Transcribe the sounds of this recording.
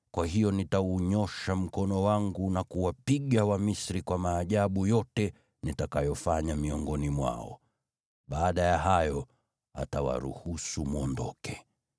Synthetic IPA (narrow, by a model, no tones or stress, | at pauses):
kwaɦijɔnitauɲɔʃam̩kɔnɔwaŋɡunakuwapiɠawamisɾikwamaːʄaɓujɔtɛ | nitakajɔfaɲamiɔŋɡɔnimwa̰ɔ̰ | ɓaːɗajaɦajɔ | a̰tawa̰ɾṵhusumuɔndɔ̰kɛ̥